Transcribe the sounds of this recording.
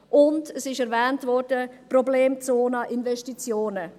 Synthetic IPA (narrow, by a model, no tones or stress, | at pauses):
ʔʊndəsɪʃɛɾvɛːntvɔɾdəprobleːmt͡soːnɑʔɪnvɛʃtit͡sjoːnə